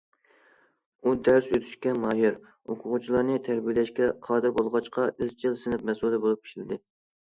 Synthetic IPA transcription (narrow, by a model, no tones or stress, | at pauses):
ud̪æɾsøt̪ʰy̥ʃkʲɛmɑjɪɾ | oqʰʊʁʊt͡ʃʰilˠɑɾnɨt̪ʰæɾbilɛʃkʲɛqʰɑːd̪ɨɾbolˠʁɑt͡ʃqʰɑʔɪzt͡ʃʰɪlˠsɪnɪp̚mɛsulˠd̪ɛbolˠup̚kʲi̥ʃilɪd̪ɪ